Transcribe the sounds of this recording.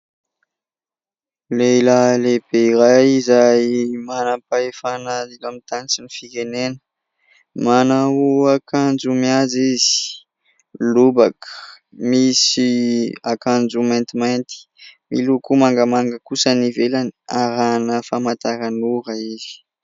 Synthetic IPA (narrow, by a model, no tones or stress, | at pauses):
leilaleb̥eiɾajizajmanapaefanailamit̪ant͡sinifikenenə̥ | manauakand͡ʒumiad͡zizi̥ | lubakə̥ | misiakand͡zumant̪imajnt̪i̥ | milukumaŋɡəmaŋɡəkusənivelaniaɾanəfamat̪aɾanuɾəizi̥